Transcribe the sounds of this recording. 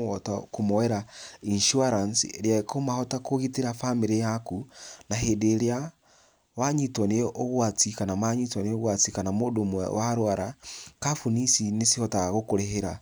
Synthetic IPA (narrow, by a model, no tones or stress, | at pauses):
ɔtakomoɛɾainʃuaɾansieɾjaekomahɔtakoɣiteɾafamiɾejakunaɦedeːɾea | waɲitwɔneʔoɣwat͡sikanamaɲitwaneoɣwat͡sikanamodomwɛ̰waɾwaɾakafunisinesihɔtaɣaɣokoɾeɦeɾa